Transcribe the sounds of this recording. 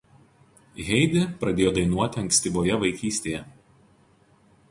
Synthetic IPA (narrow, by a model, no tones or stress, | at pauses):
ɣʲɛɪd̪ʲɪpɾɐd̪ʲeːjoːd̪ɐɪnuɔt̪ʲɪɐŋʲksʲt̪ʲiboːjɛʋɐɪkʲiːsʲt̪ʲejɛ